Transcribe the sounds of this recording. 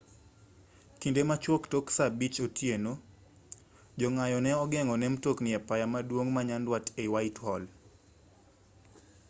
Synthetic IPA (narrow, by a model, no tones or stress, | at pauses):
kindemat͡ʃwɔktoksabit͡ʃotjeno | d͡ʒɔŋajɔnɛɔɡɛŋɔnɛmtoknɪɛpajamadwoŋmaɲandwatewaithɔl